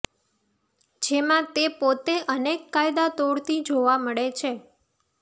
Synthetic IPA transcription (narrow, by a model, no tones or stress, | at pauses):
d͡ʒemãt̪epot̪eʔənekːajd̪at̪oɽt̪ʰid͡ʒoʋaməɭet͡ʃʰe